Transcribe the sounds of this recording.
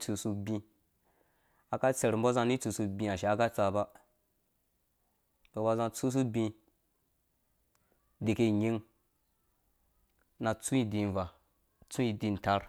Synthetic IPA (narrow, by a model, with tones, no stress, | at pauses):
t͡su˧su˧bĩ˧ | a˨ka˦t͡se˨ɾm̩˦bo˦za˧˦ni˦t͡su˧su˧bĩ˧a˨ʃe˨a˦ka˦t͡sa˧ba˦ | bo˨ba˧zã˧t͡su˦s̬u˦bĩ˧ | de˨ke˦ɲi˦ŋ | na˨t͡sũ˦i˦di˨˧nva˨ | t͡su˦i˧di˧˨n˨ta˦ɾ